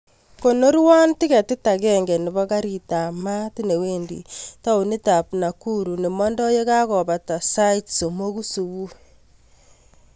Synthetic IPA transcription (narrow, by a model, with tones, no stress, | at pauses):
ko˨no˦ɾwa˦nti˦ka˨ti˦ta˨kɛ˦ŋɡɛ˨ni˨βɔ˦ka˦ɾi˦ta˨ma˦ti˦ne˨weː˦ndḭ˨ta˦o˨ni˦ta˨pna˨ku˦ɾu˨ne˨mɔ˦ndɔ˦je˦ka˦kɔ˨βa˨ta˨sa˦i˦tso˨mo˦ku˦su˨βu˦